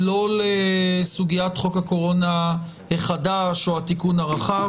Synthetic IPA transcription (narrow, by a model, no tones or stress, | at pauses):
lo̞lesuɡijatχo̞kako̞ʁo̞na | heχadaʃoatikunhaʁaχav